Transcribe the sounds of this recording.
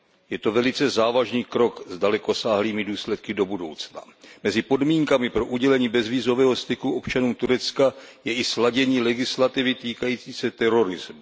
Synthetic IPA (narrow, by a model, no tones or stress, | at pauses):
jɛt̪o̞vɛlɪt͡sɛzaːvaʒniːkɾo̞kzdalɛko̞saːɦliːmɪduːslɛt̪̚kɪdo̞budo̞̰wt͡sna̰mɛzɪpo̞dmiːŋkamɪpɾo̞ʔuɟɛlɛɲiːbɛzviːzo̞vɛːɦo̞st̪ɪkuʔo̞pt͡ʃanuːmt̪uɾɛt͡skajɛʔɪslaɟɛɲiːlɛɡɪslat̪ɪvɪt̪iːkajiːt͡siːsɛt̪ɛɾo̞ɾɪzmu